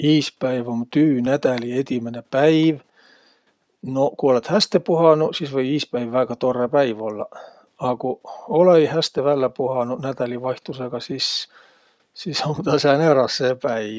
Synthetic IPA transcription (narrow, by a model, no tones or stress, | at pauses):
iːspæivont̪yːnæt̪æliet̪imenepæiʋ | nokuolet̪hæst̪epuhɑnusisʋɤjiːspæivːæɡɑt̪orːepæiʋolːɑ̰ | ɑkuolejhæst̪eʋælːæpuhɑnunæt̪æliʋɑjht̪useɡ̥ɑsis | sisomt̪ɑsæneɾɑsːepæi